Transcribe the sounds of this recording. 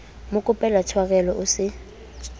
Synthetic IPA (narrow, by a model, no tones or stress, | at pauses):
mʊkʼʊpʼɛlatʰwak̬ʼɛlɔʔʊsɪ